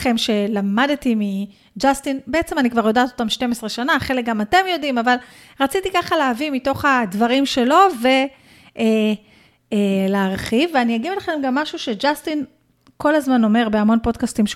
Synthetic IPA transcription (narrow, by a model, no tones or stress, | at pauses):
χe̞mʃe̞lamadtimi | d͡ʒastinbeet͡se̞manikvaʁjo̞daːt̪o̞tamʃte̞mesʁeʃanaχe̞lek̚ɡamate̞mjo̞dimaval | ʁat͡sitikaχaleːvimito̞χadvaʁimʃe̞lo̞ve̞ | e | leːʁχiveaniaɡivelaχe̞mɡamːaʃuʃe̞d͡ʒastin | ko̞lazmano̞me̞ʁbeamo̞npo̞dkastimʃ